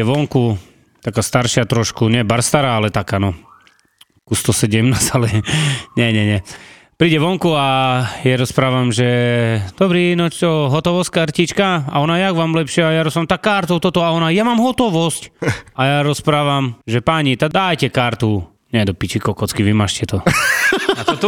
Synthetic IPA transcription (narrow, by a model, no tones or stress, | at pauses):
ɛʋɔŋku | t̪akast̪aɾʃɪat̪ɾɔʃkuɲɛbaɾst̪aɾaalɛt̪akanɔ | kust̪ɔsɛɟɛmnaːsalɛɲɛɲɛɲɛ | pɾiːɟɛʋɔŋkuajaɾɔspɾaːʋamʒɛd̪̥ɔbɾinɔt͡ʃt̪ɔɦɔt̪ɔʋɔsckaɾcit͡ʃkaa̰ɔnajaɡʋamlɛpʃɪajaɾɔspɾamt̪akaɾt̪ɔʊt̪ɔt̪ɔaɔnajamaːmɦɔt̪ɔʋɔscajaɾɔspɾaːʋamʒɛpaɲit̪ad̪aːjcɛkaɾt̪u | ɲɛd̪ɔpit͡ʃikɔkɔt͡skiʋimaːʃcɛt̪ɔ | atɔt̪u